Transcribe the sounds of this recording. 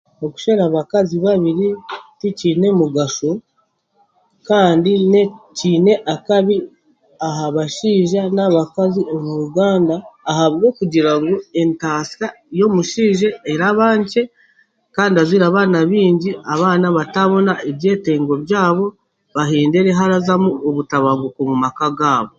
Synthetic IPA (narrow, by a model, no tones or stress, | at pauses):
oku̥ʃeɾaβakaziβaβiɾiticiːne̞muɡaʃo | kaːndineciːne̞ʔakaβi | aɦaβaʃiːʒanaβakaziʔomuɾuɡaːndaːhaβɡo̞kuɟiɾaŋɡoe̞ntaːsa | jo̞muʃiːʒeeɾaβaːɲt͡ʃe̞ | kaːndiaziɾaːβaːnaβiːɲɟiaβaːnaβataβo̞naʔeβje̞ːte̞ːŋɡo̞βjaːβo̞ | βaɦeːnde̞ɾe̞ɦaɾazamuoβutaβaɡuko̞mumakaɡaːβo̞